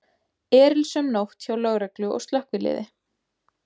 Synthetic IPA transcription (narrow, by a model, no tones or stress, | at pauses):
ɛːɾɪlsɛmnowht̪çawlœɣɾɛklʏɔ̰wst̪lœhkvɪlɪ̰ːðɪ